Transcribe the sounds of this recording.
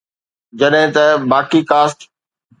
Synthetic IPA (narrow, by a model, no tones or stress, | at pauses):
d͡ʑɐɗɦɪ̃t̪ɐbaːkikaːsʈ